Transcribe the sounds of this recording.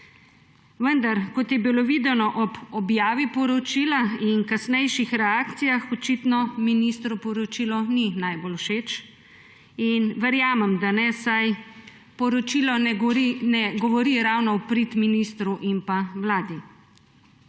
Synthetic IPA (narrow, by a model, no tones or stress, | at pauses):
ʋənd̪aɾkɔt̪jɛbiloʋiːd̪ɛnɔʔɔbɔbjaːʋipɔɾɔt͡ʃiːlainkasnɛjʃixɾɛaːkt̪sijaxɔt͡ʃit̪nɔminist̪ɾupɔɾɔt͡ʃiːlɔninajbolwʃeːt͡ʃ | inʋəɾjaːmɛmd̪anɛsaj | pɔɾɔt͡ʃilɔinɛɡɔʋɔɾiɾawnɔwpɾit̪minist̪ɾuʔinpawlaːd̪i